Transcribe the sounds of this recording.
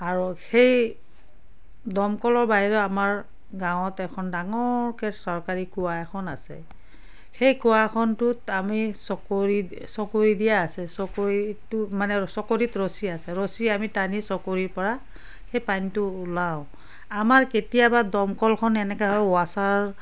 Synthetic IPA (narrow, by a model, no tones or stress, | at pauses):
aɹuxej | dɔmkɔlɔɹbaɦiɹɔamaɹ | ɡãwɔtɛkʰɔndaŋɔɹkɛsɔɹkaɹikuwakʰɔnasɛ̰ | xejkuakʰɔntʊtamisɔkoɹi | sɔkoɹidijaːsɛsɔkoɹitumanɛsɔkoɹitɹosiasɛɹosiamitanisɔkoɹiɹpɔɹa | xejpantʊːlaʊ̃ | amaɹketijabadɔmkɔlkʰɔnɛnɛkɛɦɔjʊasaɹ